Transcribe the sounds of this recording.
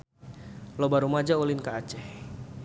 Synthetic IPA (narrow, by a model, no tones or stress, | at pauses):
lɔbaɾumad͡ʒaulinkaːt͡ʃɛh